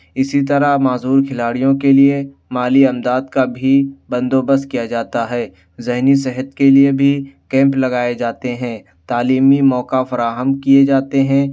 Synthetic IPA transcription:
ɪsit̪ɐɾamaːzuːɾkʰɪlaːɽijõkelie | maːliɐmd̪aːd̪kabʱibɐ̃nd̪oːbəs̚kijad͡ʒaːt̪aɦɛː | zɪɦnisɛɦət̪keliebʱikɛ̃ːmplɐɡaːed͡ʒaːt̪eɦɛ̃ː | t̪aːliːmimɔːkafɐɾaːɦəmkied͡ʒaːt̪eɦɛ̃ː

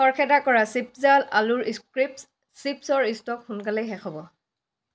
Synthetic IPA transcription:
ɔɹkʰɛdakɔɹasip̚zalaluɹiskɹip̚s | sipsɔɹistɔkxunkalɛjɦɛxɔbɔ

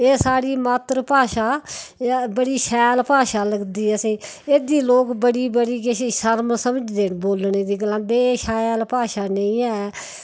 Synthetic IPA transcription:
eːsaːɽiːmaːt̪ɾpaːʃaː | bəɽiːʃɛːlpaːʃaːləɡd̪iːɛseː | eːd̪iːloːkbəɽiːbəɽiːkiʃəɾməsəməd͡ʒd̪eːnboːlneːd̪iːɡəlãːnd̪eːʃaːjlpaːʃaːnəĩːɛː

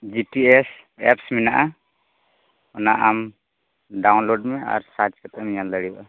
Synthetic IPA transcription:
d͡ʒiʈies | ɛ̰psminaʔa | ɔnaʔam | ɖawnloɖmea̰ɾsad͡ʒkat̪amijaləɽibaʔa

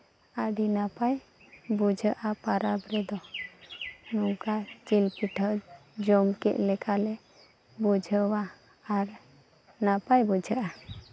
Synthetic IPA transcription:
əɖinapaj | bud͡ʒʱəʔapaɾabɾɛd̪ɔ | nuŋkat͡ʃilpiʈʰəd͡ʒɔmkɛ̰ʔlɛkalɛ | bud͡ʒʱəwaː | ɾ | napajbud͡ʒʱəʔa

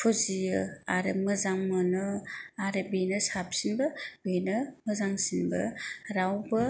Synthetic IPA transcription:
pʰɔzijɯaɾɯmɯzaŋmɯnɯaɾebenɯsap̚sinbɯbejnɯmɯzaŋsinbɯ̰ɾawbɯ

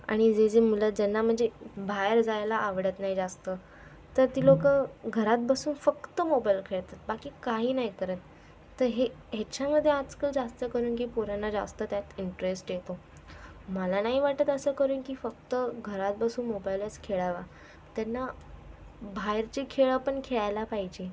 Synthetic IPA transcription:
a̰ɽ̃id͡zed͡zemuləd͡zɛnːam̤əɳd͡zebʱajɾd͡zajlaʔːʋɽət̪naɦid͡zast̪ə | t̪əɾt̪iːlokəɡʱəɾat̪̚bəsuːnfəkt̪əmobailkʰeɭt̪at̪̚bakiːkaɦiːnaɦikəɾət̪ː | əɾɦeɦat͡ɕjaməd̪ʱjead͡zkəld͡zast̪əkəɾuːnk̬iːpuɾanad͡za̰st̪ət̪jat̪iɳʈɾesʈjet̪o | məlanaɦiʋaʈət̪əsəkəɾuːnkiːfəkt̪əɡʱəɾat̪̚bəsuːnmobajlət͡skʰeɭaʋa | t̪janːa | bʱajɾt͡ɕekʰeɭapəɳkʰeɭajlapaɦid͡ʑe

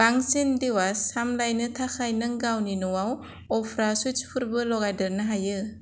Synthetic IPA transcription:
b̥aŋsindiwasamlajnɯtʰaxʰajnɯŋɡawninɔwaw | ɔpʰɾasut͡ʃpʰɯɾbɯlɔɡajdɯɾnɯɦajɯ

